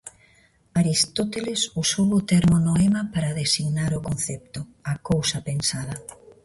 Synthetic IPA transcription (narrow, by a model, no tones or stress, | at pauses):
aɾist̪ot̪elesusowʊt̪eɾmonoemapaɾaðesiɣnaɾokonθɛp̚t̪ʊakowsɐpensaðɐ